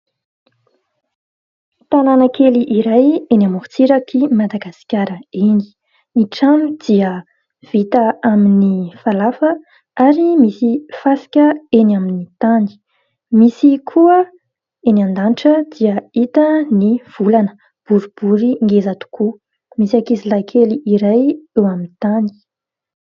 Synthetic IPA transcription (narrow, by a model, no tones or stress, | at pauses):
t̪ananəkʰeliʔiɾajenamuɾt͡siɾakʰimad̪aɡasi̥kʲaɾəeni̥ | iʈ͡ʂamid̪̥iə | v̥it̪əaminifalafə | aɾimisifasi̥kʲəenaminit̪ani̥ | misikʰuə | enand̪anʈ͡ʂəd̪iəit̪əniv̥ulanə̥ | b̥uɾib̥uɾiŋɡezat̪u̥kʰu | misakizilajkʰeliʔiɾajewaminit̪ani̥